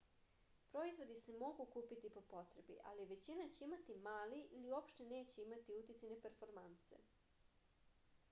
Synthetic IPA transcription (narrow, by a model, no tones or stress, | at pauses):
pɾo̞izʋo̞d̪ise̞mo̞ɡukuːpit̪ipo̞po̞t̪ɾebḭʔa̰liʋe̞t͡ɕinat͡ɕeimat̪imaːliʔiliuo̞pʃt̪e̞neːt͡ɕe̞imat̪iut̪it̪sajnepeɾfo̞ɾmant̪se̞̰